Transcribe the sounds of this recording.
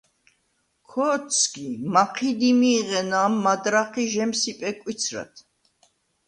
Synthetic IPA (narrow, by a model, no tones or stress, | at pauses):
kʰɔːsʰɡimaqʰid̪imiːʁɛnaːmːad̪ɾaχiʒɛmsipʼɛkʼwit̪t͡sʰɾa̰t̪ʰ